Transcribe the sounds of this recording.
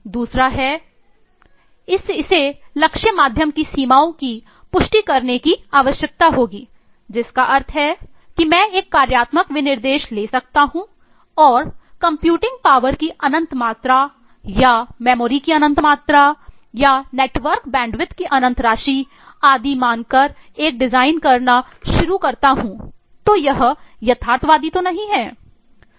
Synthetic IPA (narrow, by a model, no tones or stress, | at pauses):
d̪uːsɾaɦɛ | ɪsɪselɐkʃəmaːd̪ʱjəmkisiːmaːõki | pʊʃʈikɐɾnekiaːʋəʃjək̚t̪aɦoːɡiː | d͡ʒɪskaʔɐɾt̪ʰɦɛ | kimɛ̃ːeːkːaːɾjaːt̪məkʋɪnɪɾd̪eːʃleːsɐk̚t̪aɦũ | ɔːɾkɐ̃mpjuːʈɪ̃ŋɡ̚paːʋəɾkiʔɐnə̃nt̪maːt̪ɾa | jamɛːmoːɾikiɐnə̃nt̪maːt̪ɾa | janeːʈʋəɾkbɛ̃ːɳɖʋɪt̪kiʔɐnə̃nt̪ʰɾaːʃi | aːd̪imaːnkɐɾeːk̚ɖɪzaːɪnkɐɾna | ʃʊɾukɐɾt̪aɦũː | t̪ojɐɦjɐt̪ʰaːɾt̪ʰʋaːd̪it̪onɐɦĩɦɛː